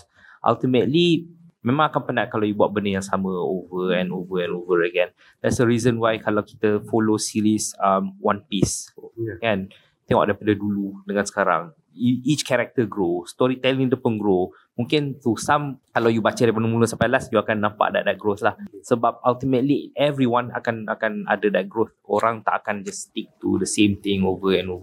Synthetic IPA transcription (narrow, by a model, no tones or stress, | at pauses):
ʔa̰lt̪imət̪li | mẽmãŋakanpənaʔkalawjubat̪̚bəndəjaŋsamə̃ovəɛ̃novəɛ̃novəɹəɡɛ̃n | d̥ɛtsdəɾizə̃nwajkalawki̥t̪əfolosiɾisamwãnpiskan | t̪ɪ̃ŋwɔ̰ʔ̚dapadəduludəŋãnsə̥kaɾa̰ŋ | iit͡ʃkɛɾɛk̚t̪əɡɾost̪ɔɾit̪ɛlĩdəpənɡɾo | mũŋkɪnt̪usãmkalawjubat͡ʃadapanəmũlusãmpajlasjuakanːãmpa̰ʔdɛʔdɛt̚ɡɾoθlahsəbap̚alt̪imət̪liʔɛvɹiwãna̰kana̰kana̰dədɛt̪̚ɡɾoθoɾaŋt̪a̰ʔakand͡ʒast̪ik̚t̪ṵdəsẽmt̪ɪ̃ŋovəɛ̃novə